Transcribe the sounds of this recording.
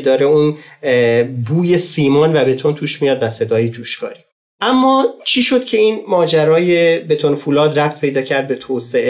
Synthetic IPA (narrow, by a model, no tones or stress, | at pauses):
d̪ɒːɾeun | buːje̞siːmɒːnvæbe̞t̪ʰo̞nt̪ʰuːʃmijɒːd̪væse̞d̪ɒːjed͡ʒuːʃkɒ̰ːɾi | ʔæmːɒːt͡ʃʰiːʃo̞d̪̥cʰe̞iːnmɒːd͡ʒæɾɒːje̞be̞t̪ʰonfuːlɒːd̪ræf̚t̪̚ʰpʰe̞jd̪ɒːcʰæɾd̪̚be̞t̪ʰoːseʔe